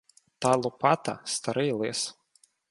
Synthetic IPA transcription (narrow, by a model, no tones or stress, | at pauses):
t̪ɑlˠʊpɑt̪ɐ̰st̪ɐɾɪjlˠɪs